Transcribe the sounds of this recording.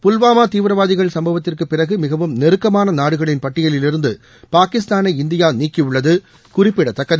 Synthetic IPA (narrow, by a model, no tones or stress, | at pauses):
pʊlʋaːmaːt̪iːʋɾɐʋaːðɪɣɐɭsɐmbɐʋɐt̪ːɪrkɯpːɪrɐɣɯmɪɣɐʋɯmnɛɾɯkːɐmaːnɐnaːɽɯɣɐɭɪnpɐʈːɪjɐlɪlɪɾɯnd̪ɯ | paːkɪst̪aːnɐɪɪnd̪ɪjaːniːkːiʊɭːɐðɯ | kʊrɪpːɪɽɐt̪ːɐkːɐðɐ